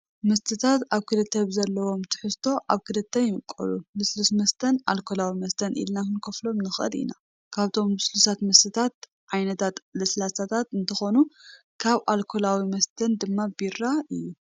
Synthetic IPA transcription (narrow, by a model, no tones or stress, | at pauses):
mɐst̪ʰɨt̪ʰat̪aβkʰɨlɨt̪ʰːɐβzɐlːɐwo̞mt̪ʰɨ̥ħɨst̪ʰo̞ʔaβkʰɨdɨt̪ʰːɐjɪmɨkʼːɐ̰lubɨslusmɐst̪ʰɐna̰lkʰolawimɐst̪ʰɐnʔḭlnahɨnkʰoflo̞mnɨxʔɐ̰d̪ḭna̰ | kʰaβt̪ʰo̞mbɨslusat̪mɐst̪ʰɨt̪ʰat̪̚ | ʕajnɐt̪ʰat̪lɨslasat̪ʰat̪ɨnt̪ʰɐxo̞nu | kʰaβʔalkʰolawimɐst̪ʰɐnd̪ɨmːabiɾaʔɨjːu